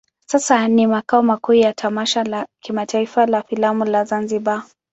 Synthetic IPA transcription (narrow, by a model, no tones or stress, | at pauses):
sasanimakaɔmakuːjatʰamaʃalakimatʰaifalafilamulazanziɓa